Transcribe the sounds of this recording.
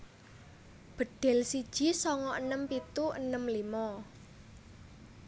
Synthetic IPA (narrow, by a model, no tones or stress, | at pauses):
b̥ə̤ɖ̥ɛ̤lsid̥ʒ̥i̤sɔŋɔʔənəmpit̪uʔə̰nəmlimɔ